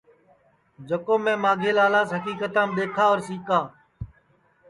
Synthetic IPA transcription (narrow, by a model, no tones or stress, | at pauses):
d͡ʒəkoːmẽːmaːɡʱeːlaːlaːsɦəkiːkət̪ãːmɗ̪eːkʰaːoːɾsiːkaː